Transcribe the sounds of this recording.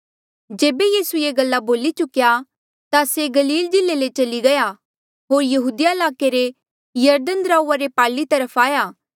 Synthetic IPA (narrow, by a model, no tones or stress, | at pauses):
d͡ʒeːbejiːsujeɡɐlːaboːlit͡ʃʊkja | t̪aseɡɐliːld͡ʒɪlːelet͡ʃɐliɡɐja | ɦoːɾjɐɦuːd̪ɪjaɪlaːkeɾe | jɐɾd̪ənd̪ɾaːuːaɾepaːɭit̪ɐɾəpʰaːjaː